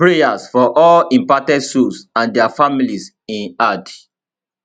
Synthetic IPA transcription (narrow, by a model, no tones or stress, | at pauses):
pɹejasfɔʔɔlĩmpatɛdsusãndɛafamilis | ĩnad